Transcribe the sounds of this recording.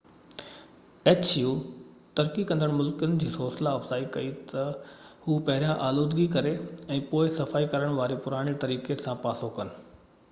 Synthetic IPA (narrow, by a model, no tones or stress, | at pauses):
eːt͡ɕjuː | t̪ɐɾkikɐ̃nd̪əɽ̃mʊlkənɪ̆d͡ʑiːsoːsɪlaɐfz̥aːikɐit̪ɐhuːpɐɦɪɾijãʔaːloːd̪ɡikɐɾeɛ̃ːpoːɪsɐfaːikɐɾəɽ̃ʋaːɾepʊɾaːɽ̃it̪ɐɾiːkesãpaːsokɐnɪ̆